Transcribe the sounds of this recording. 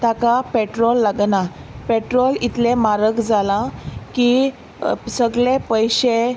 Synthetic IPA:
t̪akapeʈɾɔlːaɡnapeʈɾolit̪lẽmaɾəkd͡zalãki | səɡɭẽpəjɕe

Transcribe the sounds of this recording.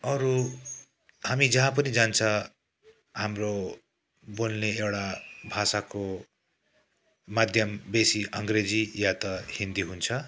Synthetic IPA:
ʌɾu | hamid͡zʌɦãpʌnid͡zant͡sʰʌ | hamro | bolneewɽabʱasako | mad̪ʱjʌmbesiʔʌŋɡred͡zijat̪ʌhind̪iɦunt͡sʰʌ

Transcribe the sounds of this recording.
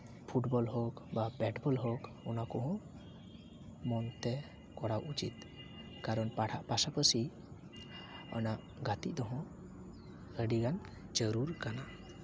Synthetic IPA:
pʰuʈbɔlɦɔkbabɛʈbɔlɦɔk | ɔnakɔɦɔ̃ | mɔnt̪ɛ | kɔɽawʔut͡ʃit̪̚ | kaɾɔnpaɽ̤ʰaʔpasapəsi | ɔ̰naʔ | ɡat̪ḭʔd̪ɔɦɔ̃ | əɖiɡan | d͡ʒəɾuɾkana

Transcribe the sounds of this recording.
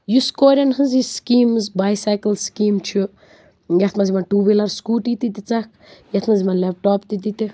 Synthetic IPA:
juskoːɾʲɐnɦɨziskiːmzbaːjsajkəlskiːmt͡ʃʰu | jɐt̪ʰmazimanʈuːbilɐɾskuːʈit̪it̪it͡sɐk̚ʰ | jɐt̪ʰmɐzimɐnlep̚ʈɔːpt̪it̪̬it̪i

